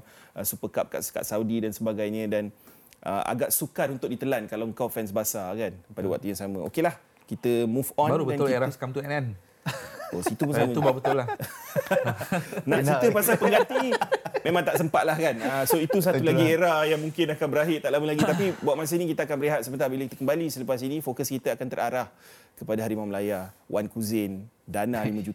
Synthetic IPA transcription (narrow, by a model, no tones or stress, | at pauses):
əsupəkap̚ka̰ʔska̰ʔsaudidansəbaɡajɲə̃dan | ʔə̰ʔa̰ɡaʔsukaɾunt̪ʊk̚dit̪əlankalawəŋkawfɛnsbasakanpadəwa̰ʔ̚t̪ujaŋsamə̰̃o̰kelah | kit̪əmufɔnaɾudbəanʊlieɾasə̥kamt̪uɛnɛn | o̰sit̪upunssamə̃ubaɾubət̪ʊla | naʔt͡ʃit̪əpasapəɡat̪imẽmãŋt̪aʔsəmpat̪ʔ̪̚lahkanasoit̪us̬att̪ulaɡieɾahjaŋmũŋkɪnakanbəɾaɦɪrt̪aʔlaməlaɡit̪apibawaʔ̪mas̬ənikit̪əakanbəɾiɦat̪̚səmənt̪abilakit̪ə̥kəmbalisələpas̬inifokəskit̪əakant̪əɾa̰ɾah | kəpadaɦaɾimaməlajawʔankuzɪndanãlimə̃d͡ʒut̪